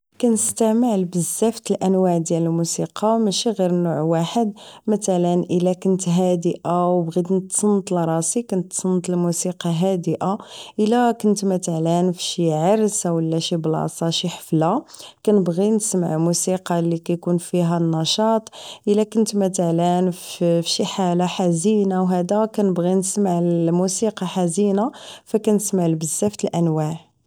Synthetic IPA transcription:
kænəst̪æməʕlbəzːæft̪əlʔənwaʕd̪jæləlmusiqɑmæʃiɣiɾnuʕwaħəd̪mæt̪ælənʔəlækənt̪ɦæd̪əʔawbɣid̪nət̪ːsˤənːət̪lɾˤɑsikʊnt̪ːsˤənːt̪əlmusiqɑɦæd̪əʔaʔəlːækʊnt̪mæt̪əʕlænfʃiʕɑɾswəlːæʃiblɑ̰sˤɑʃiħə̥flakænəbɣinəsmaʕmusiqɑlːikæjkunfiɦænːɑʃɑt̪ˤʔəlːækʊnt̪mæt̪əʕlænfʃiħalaħazinawɦæd̪ækænəbɣinəsmaʕlmusiqɑħazinafækænəsmaʕlbəzːæft̪əlʔænwaʕ

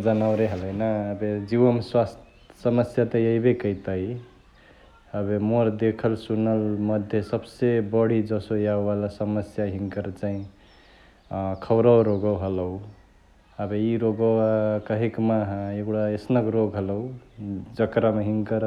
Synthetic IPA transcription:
d͡ʒənaʊɾeɦələjnaːbed͡ʒiʋəmswast̪ʰ | səməsjat̪əjəibekəit̪əi | əbemoɾd̪ekʰəlsunəlməd̪ʱjesəbsebəɽ̤id͡ʒəsojaubalasəməsjaɦiŋkəɾt͡ʃaĩ | kʰəwɾəwɾoɡəwɦələu | əbeiɾoɡəakəɦikmaɦeɡɽaesnəkɾoɡɦələud͡ʒəkɾameɦiŋkəɾ

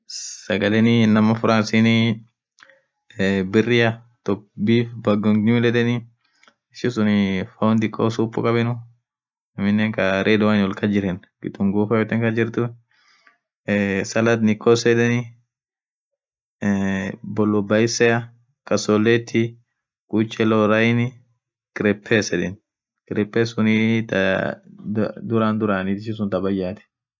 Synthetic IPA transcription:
sɐɡɐlɛnɪnɐmɐfʊɾansinɪ | bɪrːɪɐ | t̪ɔbifbɐɡɔŋɲuːlɛd̪ɛnɪ | ɪʃɪsʊnɪfɐwʊnd̪ɪkʼːoːsuːpʼːʊ̰kʼɐbɛnʊ | ɐmɪnːɛŋkɐɾʔeːd̪ʊwanɔlkɐd͡ʒɪɾɛnɡɪ̰t̪ʊŋɡuːfɐfɛt̪ɛŋkɐd͡ʒɪɾt̪ʊ | sɐlɐt̪nɪkʼoːsɛᶑ̪ɛnɪ | bɔlːɔbɐjɪsɛjɐ | kʼɐsolːet̪ʰːi | kut͡ʃʼːɛloɾɐjnɪ | kʼɪɾɛpʰːeːsɛᶑɛn | kʼɪɾɛpːeːsʊnit̪ | d̪ʊɾaːnd̪ʊɾaːnɪt̪ɪʃɪsʊnt̪ɐbɐjːaːt̪ɛ̥

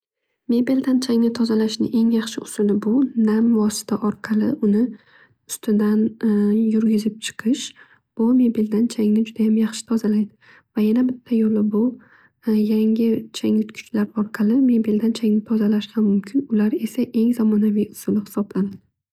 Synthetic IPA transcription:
me̞belʲd̪ant͡ʃʰaŋnɪt̪ʰɒzalaʃnɪ̰ʔe̞ŋjɑχʃɪʊsʊlɪbʊnamvɒsɪ̥t̪ʰaʔɒɾqʰɑlˠɪʔʊnɪ | ʊst̪ʰɪd̪anjʊɾɡʲɪzɪp̚t͡ʃʰɨ̥qʰɨʃ | b̥ʊme̞bild̪ant͡ʃʰaŋnɪd͡ʒʊd̪ajamjɑχʃɪ̥t̪ʰɒzalajd̪ɪ | vajanabɪt̪ʰːajolɪbʊ | jaŋʲɪt͡ʃʰaŋnɪt̪kʰʊ̥t͡ʃlaɾɒɾqʰɑlˠɪme̞beld̪ant͡ʃʰaŋnɪt̪ʰɒzalaʃɡʲamʊmkʲʰɪnʊlaɾe̞saʔe̞ŋzamɒnavijʊsʊlɪhɪ̥sɒblanad̪̥ɪ

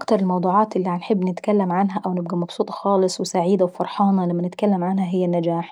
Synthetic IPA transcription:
ʔɑkt̪ɑɾˤɪlmɑwd̪ˤuːʕɑːt̪ʔɪlːiʕanħɪbːnɪt̪kalːamʕanɦæʔæwnɪb̚ɡæmɑbsˤuːt̪ˤɑ̥xɑːlɨsˤwɪsaʕiːd̪awfɑɾˤħɑːnɑlamːænɪt̪kalːamʕanɦæɦɪjːanːad͡ʒaːħ

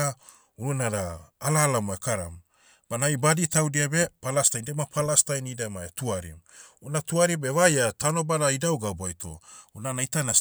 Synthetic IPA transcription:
a | ununaɾaːlalamoekaɾa̰m | b̥anajbaditawdiabepalastajndemapʰalastajnideamaetuaɾḭmunatuaɾibeβajatano̞badaidawɡabuajtʰo̞̰unanaitanas

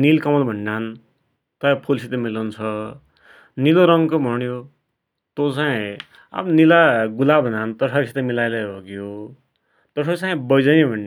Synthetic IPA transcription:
nilkʌmʌlbʱʌnɖan | t̪ʌjʌpʰolsʰit̪emilant͡sʰʌ | niloɾʌŋkobʱʌnjo | t̪ot͡saĩ | a̰bʌnilaɡulabʱʌnant̪ʌsʰʌsʰit̪ʌmilajlʌjʱoɡjo | t̪ʌʈʰʌt͡saĩbʌjd͡zʌnibʱʌnɖ

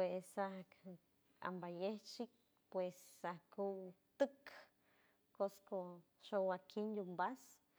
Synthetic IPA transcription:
pwesahk | a̰mbajeht͡ʃik̚ | pwesːahkuwt̪ɨk | kosko | ʃowakind̪umbas

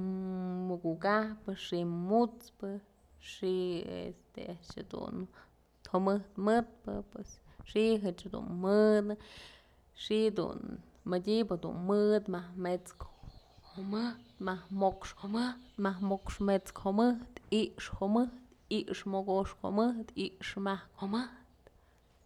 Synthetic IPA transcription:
mɨkuʔkahpɨʂimut͡spɨ | ʂiḛst̪ḛaʔʃha̰d̪ṵn | homɨht̪mɨt̪̚pɨ̰pwes | ʂiɦɨt͡ʃhad̪ṵnmɨd̪ɨ | ʂid̪ṵn | mədʲibhad̪ṵnmɨd̪mahmet͡skhomɨt̪mahmokʂhomɨht̪mahmokʂmet͡skhomɨht̪iʔʂhomɨht̪ | iʔʂmoɡoʂko̰mɨht̪iʔʂmahkomɨht̪

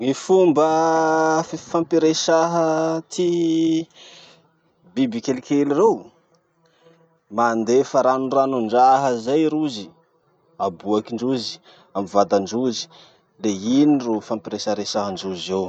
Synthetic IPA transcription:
ŋifumbə | fampiɾeʃaɦət̪ʰi | bibikelkelirew | mand̪efaɾanuranuɳɖ͡ʐaɦəzajɾuzi | abuakiɳɖ͡ʐuzi̥ | amivad̪aɳɖ͡ʐuzi̥ | leinirufampiɾeʃaɾesaɦəɳɖ͡ʐuzew

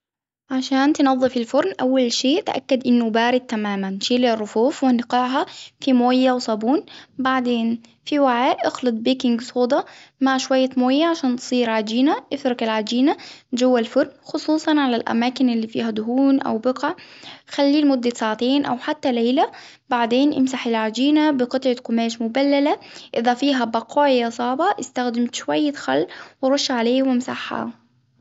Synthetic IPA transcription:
ʕaʃaːnt̪ɪnɑðˤːɨfɪlfʊɾnʔawːalʃeːʔt̪ʔa̰kːad̪ʔɪnːʊbaːɾɪd̪̚t̪amaːmanʃiːlrˤːʊfuːfwɪnqɑʕɦɑfimoːjːawsˤɑbuːnbaʕd̪eːnfiwaʕaːʔʔɑxlɨt̪̚ˤbiːkɪŋɡsˤoːd̪ˤɑmaʕʃwajːamoːjːaʕaʃaːnt̪sˤiːɾʕad͡ʒiːnaʔɪfɾɑkalʕad͡ʒiːnad͡ʒawːalfʊɾnxʊsˤuːsˤɑnʕalalʔa̰maːkɪnɪlːiːfḭːɦad̪ʊɦuːnʔa̰wbɪqɑʕxalːiːlmʊd̪ːasaːʕat̪eːnʔa̰wħat̪ːalejla | baʕd̪eːnʔɪ̰msaħɪlʕad͡ʒiːnabɪqɨt̪ˤʕakʊmaːʃmʊbalːalaʔɪðafiːɦabɑqʰɑːʕjasˤɑːbɑʔɪst̪axd̪ɪmt̪ʃwajːaxa̰lːwɪɾˤʊʃːʕaleːwɪmsaħːa̰

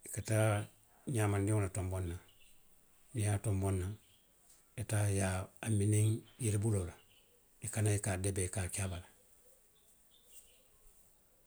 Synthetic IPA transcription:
ikataː | ɲaːmandiŋonatombonːa | nijaːtombonːaŋ | etajaaminiŋjilibulola | ikanaikadebekakabala

